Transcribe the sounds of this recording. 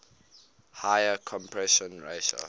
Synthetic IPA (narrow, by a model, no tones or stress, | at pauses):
hajəkʰɔ̃mpʰɹɛʃɔ̃nɹeʃə̰